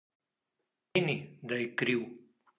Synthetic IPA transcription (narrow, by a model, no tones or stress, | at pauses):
inid̪ɐjkɾiw